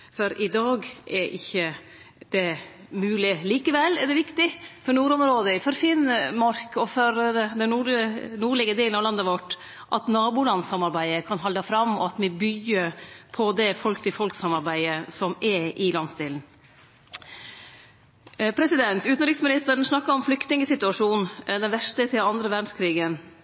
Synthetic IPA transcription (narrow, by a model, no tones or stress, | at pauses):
fɔɾɪd̪ɑːɡʔɛɾʔɪ̰çːə | d̪̥ɛmʉːlɪliːkəʋɛlːɛɖɛʋɪkt̪ɪfɔɳuːɾɔmɾoːd̪əɪfɔɾfɪnmɑɾkɔfɔɾd̪ɛnnuːɖənuːɭɪɡəd̪eːlnɑʋlɑnːəʋɔʈː | ʔɑt̪nɑːbuːlɑnsɑmɑɾbæɪəkʰɑnɦɑld̪ɑfɾɑmɔ̰ɑt̪mɛbʏɡəɾpʰɔd̪ɛfɔlkt̪ɪfɔlksɑmɑɾbæɪəsɔmɛʔɪlɑnst̪ɪːln̩ | pʰɾɛsɪd̪ɛnt̪ʉːt̪n̩ɾɪksmɪnɪst̪əɾən̩snɑkːəɾɔmflʏkt̪nɪŋəsɪt̪ʉɑʂuːnd̪ɛnʋæʂtəɛsɪɑnd̪ɾəʋæɖɳ̩skʰɾiːɡən